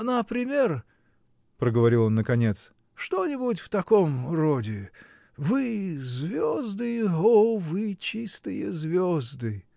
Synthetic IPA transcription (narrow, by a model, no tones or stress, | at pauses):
nəpɾʲɪmʲer | pɾəɡəvɐɾʲilˠo̞nːəkɐnʲet̪s | ʂt̪onʲɪbutʲft̪ɐko̞mrodʲɪ | vɨzvʲozd̪ɨovɨt͡ɕist̪ɨjəzvʲozd̪ɨ